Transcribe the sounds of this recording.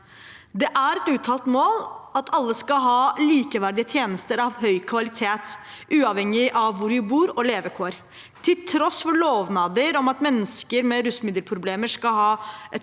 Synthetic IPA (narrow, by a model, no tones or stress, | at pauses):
d̪ɛʔæɾɛt̪ʉːt̪ʰɑːlt̪moːlʔɑt̪ʰɑlːəskɑɦɑːliːkəʋæɾɖ̪ɪət̪ʰjeːnəst̪əɾɑʋhœʏkʰʋɑlɪt̪ʰeːt̪ʔʉːɑʋhɛŋːɪʔɑʋːʊɾjɪbuːɾɔleːʋəkʰoːɾ | t̪ʰɪlt̪ʰɾɔsfɔɭoːʋnɑːd̪əɾɔmɑt̪mɛnːəskəɾmɛɾʉsmɪd̪əlpʰɾʊbleːməʂkɑɦɑːɛt̪